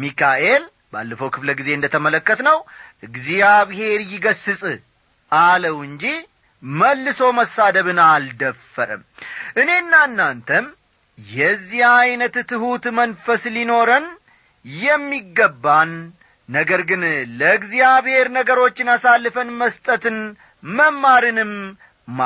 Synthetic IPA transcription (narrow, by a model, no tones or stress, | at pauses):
mikʰaʔe̞l | ba̰lːəfəwkʰɨfləɡize̞ɨnd̪ət̪ʰəmələkːət̪nəwʔɨɡzijaβhe̞ɾjɪɡəsːɨsʼɨ | ʔaləwɨnd͡ʒi | məlːɨso̞məsad̪əβɨnald̪əfːəɾɨ̰mʔɨne̞ɨnːaɨnːant̪ʰəm | jɛzːihajnət̪t̪ʰɨhut̪mənfəslino̞ɾən | jɛmːiɡːəbːanː | əɡəɾɡɨnləɨɡzijaβhe̞ɾnəɡəɾo̞t͡ʃːɪnasalːɨfənməst̪ʼət̪ɨn | məmːaɾɨnɨm | ma